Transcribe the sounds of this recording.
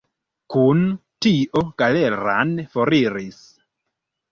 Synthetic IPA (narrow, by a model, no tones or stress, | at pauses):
kuntiʔoɡ̥aleɾa̰nfoɾiɾis